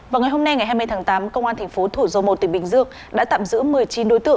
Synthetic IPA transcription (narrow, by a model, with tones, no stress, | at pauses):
vaː˨˩wŋa˨˩jɦo˧mna˧jŋa˨˩jɦa˧m˧jt̪ʰaː˨˦ŋt̪aː˨˦mkə˧wŋ͡mʔaː˧nt̪ʰŋ̟fo˨˦t̪ʰu˧˩zə˨˧˦wmo˨˩t̚t̪ï˧˩ŋ̟ɓï˨˩ŋ̟zɨ˧əŋ | ɗa̰ː˧˥t̪a̰ː˧˨mzɨ̰˧˥mɨ˨˩əjt͡ɕi˨˦nɗo˨˦jt̪ɨ̰˧˨